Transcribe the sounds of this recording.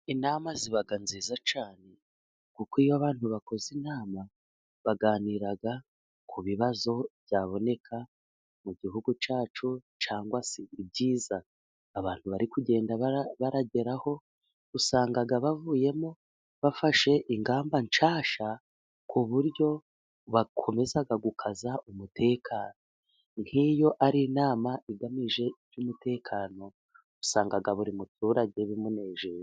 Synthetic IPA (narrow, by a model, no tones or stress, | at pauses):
inaːmaziβaɡanziːzat͡ʃaːne̞ | kukijoaβaːnhuβako̞zinaːma | βaɡaːniɾaɡa | kʰuβiβazo̞βjaːβo̞ne̞kʰa | muɟihuɡut͡ʃaːt͡ʃu | t͡ʃaːŋɡwasiib̚ɟiːzaː | βaːnhuβaɾikuɟe̞ːndaβaβaɾaɟe̞ɾaho̞ | usaːŋɡaɡaβavuːje̞mo̞ | βafaʃe̞ʔiŋɡaːmbant͡ʃaːʃa | kuβuɾɟo̞ | βakʰo̞me̞zaɡaɡukʰazaʔumutʰe̞ːkʰaːno̞ | n̥hijo̞ʔaɾinaːmaʔiɡamiʒe̞iɾjumute̞ːkʰaːno̞ | usaːŋɡaɡaβuɾimutʰuːɾaɟe̞βimune̞ːʒii